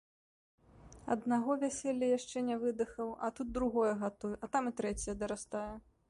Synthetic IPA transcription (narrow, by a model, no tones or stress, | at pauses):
ɐ̰d̪naɣɔvʲasʲɛlʲːɐjaʂt͡ʂɛnʲɛvɨd̪ɨxɐwɐt̪ut̪̚d̪ɾuɣɔjɛɣat̪ujuʔɐt̪amɨt̪ɾɛt͡sʲɛjɐd̪ɐɾast̪ajɛ